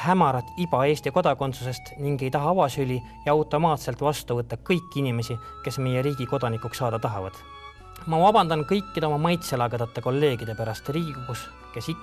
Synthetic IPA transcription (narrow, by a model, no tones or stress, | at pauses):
hæmɑɾɑt̪ːˑib̥ɑe̞ːsʲt̪iko̞d̪̥ɑko̞nt̪suse̞st̪niŋɡe̞jt̪ɑɦɑɑvɑsylʲi | jɑɑwt̪ːˑo̞mɑːt̪se̞lt̪ˑvɑst̪uvɤt̪ːˑɑkɤjkːinime̞si | ke̞sme̞jeɾiːɡ̥iko̞d̪̥ɑnikˑuksːɑːd̪̥ɑt̪ɑɦevɑ̰d̪̥ | mɑvɑb̥ɑnd̪̥ɑnkɤjkːid̪eomɑmɑjt̪selɑɡed̪̥ɑt̪ːˑe̞ko̞lːe̞ːɡ̥id̪e̞pæɾɑst̪riːɡubus | kesi